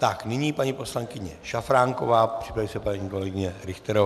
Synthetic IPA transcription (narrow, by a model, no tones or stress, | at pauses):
t̪aknɪɲiːpaɲipo̞slaŋkɪɲɛʃafɾaːŋko̞vaːpr̥ɪ̥pɾavisɛpaɲiːkolɛɡɪɲɛɾɪxt̪ɛɾo